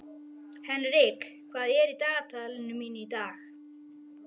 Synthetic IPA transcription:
hɛnɾɪk | kʰvaːðɛɾid̪aːt̪ʰaːlnʏminid̪aːɣ

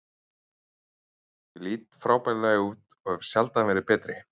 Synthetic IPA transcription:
jɪliːt̪fɾaːwpajllajɪuːt̪ɔhɛv̥sjalt̪avɛːɾɪpɛːt̪ɾɪ

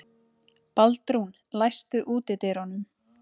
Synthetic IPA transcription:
palt̪ɾun | lajst̪ʏʔuːt̪ɪt̪ɪɾɔnʏm

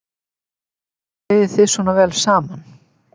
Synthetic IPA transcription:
ɪðɪθɪsvɔːnavɛːlsaːman

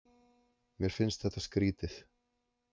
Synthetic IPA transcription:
mjɛɾ̥fɪnst̪θɛht̪askɾiːt̪ɪθ

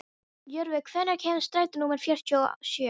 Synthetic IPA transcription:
jœɾvɪkʰvɛnːɛɾ̥cʰɛːnast̪ɾaːjt̪nuːmɛɾ̥fjɛr̥t̪ʰɔ̰sjœː

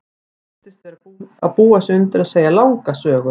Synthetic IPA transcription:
ɛ | t̪ɪst̪vɛɾapuaðpuːasɛʏnt̪ɪɾaðseːjalaːwŋkasœːɣʏ

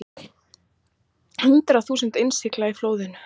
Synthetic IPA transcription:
hʏnt̪ɾaθuːsənt̪ensɪklaifloːwðɪnʏ

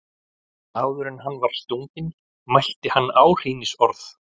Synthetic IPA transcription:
aːwðʏɾɛnɦanːvaɾ̥st̪uŋcɪn | majl̥t̪ɪhanːaːwr̥iːnɪsɔɾθ

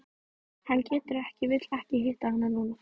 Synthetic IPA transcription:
hancɛːt̪ʏɾɛhcɪvɪt̪lɛhcɪɦɪht̪ahanːanuːna

